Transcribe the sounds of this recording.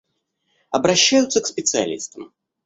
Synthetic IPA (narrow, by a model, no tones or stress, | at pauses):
ɐbɾɐɕːæjʊt̪səkspʲɪt̪sɨɐ̰lʲḭst̪əm